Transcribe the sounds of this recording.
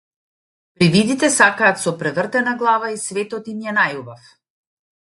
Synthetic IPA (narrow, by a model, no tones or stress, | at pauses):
pɾivid̪it̪ɛsakaːt̪sɔpɾɛvrt̪ɛnaɡlˠavaisvɛt̪ɔt̪imjanajubaf